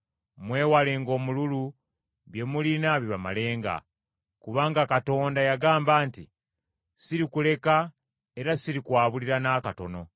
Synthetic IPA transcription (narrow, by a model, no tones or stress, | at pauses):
mwe̞ːwale̞ŋɡo̞ːmululu | βje̞mulinaβiβama̰le̞ːŋɡa̰ | kuβaːŋɡakato̞ːndajaɡaːmbaːnti | siɾikule̞ka | e̞ɾasiɾikwaːβuliɾanaːkato̞no̞̰